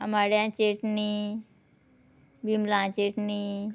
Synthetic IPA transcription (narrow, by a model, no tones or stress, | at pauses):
amaɽjãt͡ɕeʈni | bimlãt͡ɕeʈni